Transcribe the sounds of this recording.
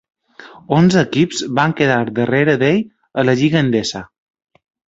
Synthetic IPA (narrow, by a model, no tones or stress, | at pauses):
onzəːkipzbaŋkəðaɾd̪əreɾəðeʎ | ələʎiɣənd̪esə